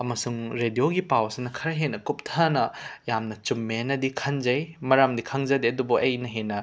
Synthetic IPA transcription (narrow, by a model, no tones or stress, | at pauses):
ɐmɐsuŋɾedijoɡipawsinɐkʰɐɾɐɦenɐkup̚tʰɐnɐjamnɐt͡ʃumːenɐdikʰɐnzɐjmɐɾamdikʰɐŋzɐdeɐdubuʔɐjnɐɦenɐ